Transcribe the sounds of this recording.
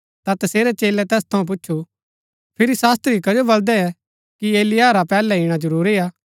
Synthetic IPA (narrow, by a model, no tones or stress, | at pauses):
t̪at̪ɐseːɾɛt͡ʃeːlɛt̪ɛːst̪ʰɐũp̬ʊtːʃʰu | pʰɪɾisaːst̪ɾikɐd͡ʒobɐld̪ɛɛ | kieːlɪjaːɾapɛːlɛiɽ̃ad͡ʒɐɾuːɾiaː